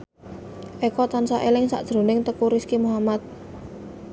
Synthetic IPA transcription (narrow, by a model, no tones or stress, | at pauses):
ʔekɔt̪ansaʔelɪŋsa̰ʔʒ̥ɾo̤nɪŋt̪əkuɾiskimuɦamat̪̚